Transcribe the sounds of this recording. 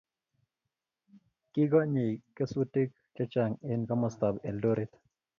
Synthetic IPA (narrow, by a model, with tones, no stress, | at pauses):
kɪ˦ɡɔ˦ɲi˨kːe˦su˦ti˦k̚ | t͡ʃɛ˦t͡ʃa˨ŋe˦nka˦mɔ˨st̪a˨bɛ˨ldo˦ɾi˦t̪